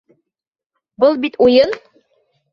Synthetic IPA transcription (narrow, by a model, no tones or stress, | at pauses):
bɤlˠbit̪ujɤn